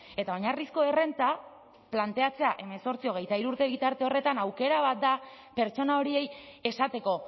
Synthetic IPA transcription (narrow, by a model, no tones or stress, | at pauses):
e̞t̪ao̞ɲarisko̞e̞re̞nt̪a | plant̪e̞at͡se̞aʔe̞meso̞ɾt͡sio̞ɣ̞e̞jt̪aiɾuɾt̪e̞β̞it̪aɾt̪e̞o̞re̞t̪anawke̞ɾaβ̞at̪̚d̪a | pe̞ɾt͡ʃo̞nao̞ɾie̞je̞sat̪e̞ko̞